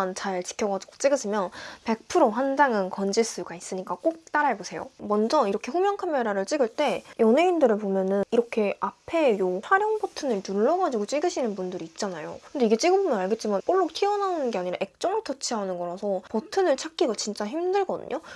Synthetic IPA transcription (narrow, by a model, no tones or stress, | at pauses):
nt͡ɕaɭt͡ɕi̥kʰjʌɡad͡ʑiɡo̥t͡ɕ͈iɡɯsʰimjʌnpe̞k̚pʰɯɾoɦand͡ʑaŋɯnkʌnd͡ʑis͈ɯɡais͈ɯɲik͈ak͈ok̚t͈aɾaɭbosʰe̞jo̰mʌnd͡ʑʌiɾʌkʰe̞ɸumjʌŋkʰamjeɾaɾɯɭt͡ɕ͈iɡɯɭt͈e̞jʔʌnɦe̞indɯɾɯɭpomjʌnɯniɾʌkʰe̞apʰe̞johaɾjʌŋpʌtʰɯnɯɭtuɭːʌɡad͡ʑiɡot͡ɕ͈iɡɯɕʰinɯnpundɯɾiːt̚t͡ɕ͈anajo̰kɯnde̞iɡe̞t͡ɕ͈iɡɯbumnaɭɡe̞t̚t͡ɕ͈imank͈oɭːok̚tʰiʌnaonɯnɡe̞aɲiɾaʔe̞k̚t͡ɕ͈ʌŋɯɭtʰʌt͡ɕʰiɦanɯnɡʌɾasʰʌpʌtʰɯnɯɭt͡ɕʰak͈iɡat͡ɕint͡ɕ͈açimdɯɭɡʌdɯ̰ɲʔo